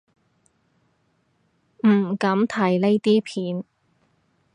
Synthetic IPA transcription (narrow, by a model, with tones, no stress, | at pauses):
m̩˨˩kɐ˨˥mt̪ʰɐ˨˩jle˥jt̪iː˥pʰiː˨˥n